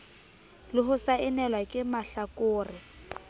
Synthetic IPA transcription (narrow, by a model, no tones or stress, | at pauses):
lɪɦʊsaɪnɛlwakʼɪmaɬakʼʊːrɪ